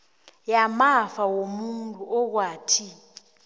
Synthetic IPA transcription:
jamafawomuntʼuʔɔk̬waːtʰi

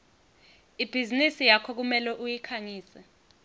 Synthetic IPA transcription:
ib̥ʱizinisijakʰɔk̬umɛlɛʔujikʰaŋiːsɛ

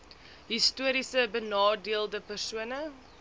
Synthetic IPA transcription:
ɦistuəɾisəbənɑːdiəlˠdəpərsuənə

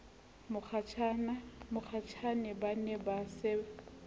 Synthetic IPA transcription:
mʊk͡xʰat͡ʃʰanamʊk͡xʰat͡ʃʰanɛbanɛbasɪ

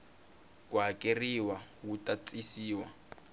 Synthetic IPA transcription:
kʼwakʼeriwawutʼat͡sʼisiːwa̰

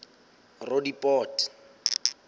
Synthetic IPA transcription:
rodipʼɔːtɪ̥

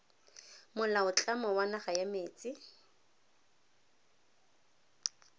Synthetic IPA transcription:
mʊlaʊt͡ɬʼamɔwanaχajameːt͡sʼɪ

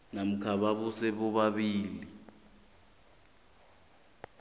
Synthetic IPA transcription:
nam̩kʰaɓaɓɔsɛɓɔɓaɓiːli

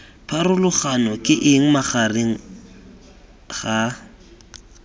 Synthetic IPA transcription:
pʰarʊlʊχanɔkʼɪʔɪŋ̩maχareŋ̩ | ɣa

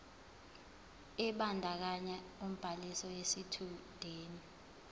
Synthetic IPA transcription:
ɛɓandʱak̬aɲaum̩b̥ʱalisɔjesitʰud̥ʱeːni

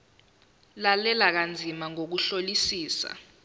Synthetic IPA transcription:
lalɛlak̬and͡zʱimaŋok̬uɬolisiːsa̰

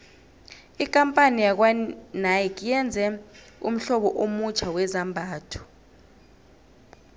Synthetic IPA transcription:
ik̬ʼampʼanijak̬wanajɛk̬ʼijɛnd͡zʱɛ | ṵm̩ɬɔɓɔʔomut͡ʃʰawɛzambʱaːtʰu̥

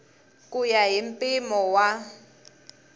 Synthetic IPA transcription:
k̬ʼujaɦimpʼimɔwa

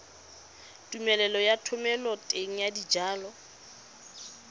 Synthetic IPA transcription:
tʼumɛlɛlɔjatʰʊmɛlɔtʼeŋ̩jadid͡ʒaːlɔ

